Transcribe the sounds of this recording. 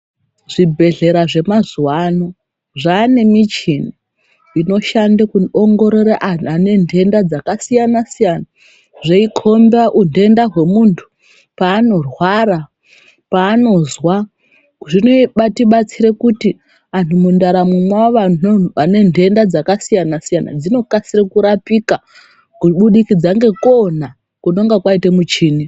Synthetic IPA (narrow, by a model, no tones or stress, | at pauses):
ʐibʱe̞ɮe̞ɾaʐe̞mazuwano | ʐaːne̞mit͡ʃini | ino̞ʃandakuoŋɡo̞ɾoɾaʔaane̞ndʱe̞ndad͡zakasijanasijana | ʐeikʰo̞mbaʔunde̞ndaɦwe̞muntʰu̥ | paːno̞rwaɾa | paːno̞zwa | ʐinoɓatiɓat͡siɾe̞kuti | antʰumundaɾamumwawaʋanoane̞nde̞ndad͡zakasijanasijana̰d͡zino̞kasirekuɾapika | kuɓuɗikid͡zaŋɡe̞kona | kuno̞ŋɡakwaitemut͡ʃiːni